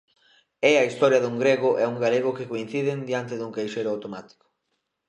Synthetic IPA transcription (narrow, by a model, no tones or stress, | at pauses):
ɛɐist̪ɔɾjɐðuŋɡɾeɣʊʔɛuŋɡaleɣ̞ʊkɪkoin̟θiðɪnd̪jant̪ɪðuŋkejʃejɾʊawt̪omat̪i̥kʊ̥